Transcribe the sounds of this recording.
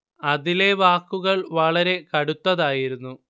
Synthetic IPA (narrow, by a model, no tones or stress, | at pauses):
ɐðile̞ʋaːkːuɣɐɭʋɐɭɐɾe̞kɐɽut̪ːɐðaːjiɾunːu